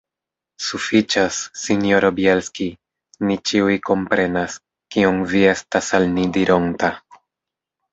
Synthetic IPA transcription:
sufit͡ʃasːinjo̞ɾobjelski | nit͡ʃiujko̞mpɾe̞nas | kionvie̞stasalnidiɾo̞nta

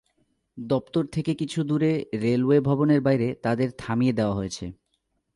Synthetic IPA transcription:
d̪ɔpt̪oɾt̪ʰekekit͡ɕʰud̪uɾeɾelwebʱɔboneɾbajɾet̪ad̪eɾt̪ʰamijed̪eoaɦoet͡ɕʰe

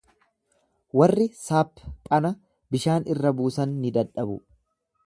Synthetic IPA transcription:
wɐrːɪsaːpːkʼɐnɐ | bɪʃaːnɪrːɐbuːsɐnːɪd̪ɐᶑɐbʊ

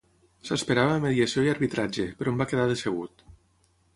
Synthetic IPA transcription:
səspeɾaβəːmeðiəsioiəɾβit̪ɾad͡ʒepəɾɔmbakeðaðeseɣut̪

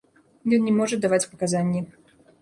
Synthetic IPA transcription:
jɔnnʲɛmɔʐɐd̪avat͡sʲpɐkazanʲːi

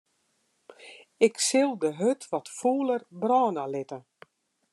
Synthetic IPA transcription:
ɪksɪlˠdəɦøtʰʋɔtfuːlərbraːnalɪtə

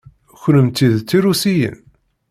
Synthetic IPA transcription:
çɾəmt̪ːiðt͡sːiɾusijə̰n

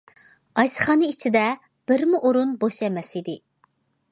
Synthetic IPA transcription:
ɑjsɨ̥χɑːnɨit͡ʃʰid̪ɛ | b̥ɪɾmuʔoɾunboʃɛmɛsid̪ɪ

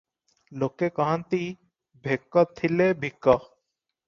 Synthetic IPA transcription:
lokːekɔɦant̪i | bʱekːɔt̪ʰːilebʱikːɔ

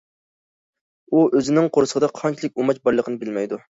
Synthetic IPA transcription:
uøzɪnɪŋqʰoɾsəʁʰd̪ɑqʰɑnt͡ʃʰilˠɪk̚ʲumɑt͡ʃbɑɾlˠəqʰənɨbɪlmɛjd̪u

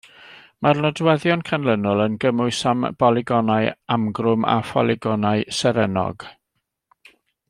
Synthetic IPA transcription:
marnɔdwɛðjɔnkʰanlənʊlˠənɡəmʊɨsamb̥ɔlˠɪɡɔnaɨamɡrʊma̰fɔ̰lˠɪɡɔnaɨsɛɾɛnɔ̰ɡ̥

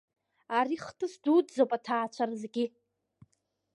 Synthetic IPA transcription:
aɾiχtʰʼɨsdudd͡zowpʼatʰaːt͡ʃʷʰarzɡʲi

